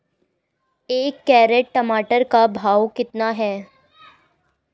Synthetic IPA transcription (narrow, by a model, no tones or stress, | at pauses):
eːkːɛːɾeʈ̚ʈəmaːʈəɾkabʱaːwkɪt̪naɦɛː